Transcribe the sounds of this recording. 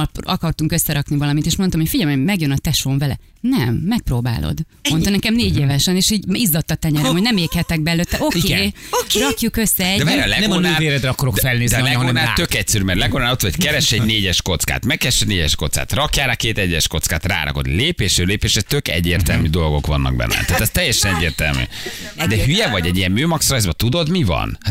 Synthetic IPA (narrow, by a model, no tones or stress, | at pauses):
pɒkɒrt̪uŋkøsːɛɾɒknivɒlɒmit̪eːʃmo̞nt̪omhocfiɟɛlmomɛɡjønɒt̪ɛʃoːɱvɛlɛ̰ | nɛmːɛk̚proːba̰ːlʔo̰d̪ | mo̞nt̪ɑnɛkɛmneːɟeːvɛʃɛneːʃiːɟizːot̪ːɒt̪ɛɲɛɾɛmhonɛmeːkhɛt̪ɛɡ̚bɛɛløːt̪ːɛʔo̞keː | rɒkjukøsːɛɛɟ̪ɛbɛːɾlɛnɛɡoonaøːveːɾɛd̪ɾɛɒkːoɾokdfɛlneːzd̪ɛlɛɡonaːt̪ø̞kɛcsɛɾyːmɛrlɛɡonaːbot̪ːɒloɟ̥kɛɾɛʃɛɟneːɟɛʃko̞t̪ska̰ːt̪mɛkːɛʃɛɟneːɟɛʃko̞t̪ska̰ːt̪rɒkjaːɾakeːt̪ɛɟːɛʃko̞t̪skaːt̪ra̰ːɾʔɒ̰ko̞̰d̪leːpeːʃɾøleːpeːʃɛt̪økɛ̰ɟːeːrt̪ɛ̰lmyd̪o̞lɡo̞̰kʋɒnːɒ̰ɡ̚bɛ̰nːɛ̰t̪aːt̪ɛst̪ɛjːɛʃɛnɛɟːeːrt̪ɛ̰lmy̰ːd̪ɛhyjɛvɒɟɛɟijɛmːøːmɒksrɒjzbɒt̪ud̪o̞d̪mivɒ̰n